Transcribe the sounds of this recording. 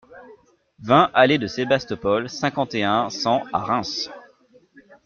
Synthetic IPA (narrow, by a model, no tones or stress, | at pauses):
vɛ̃ʔaled̪əsebast̪ɔpɔlsɛ̃kɑ̃t̪eɛ̃sɑ̃a̰ʁɛ̃s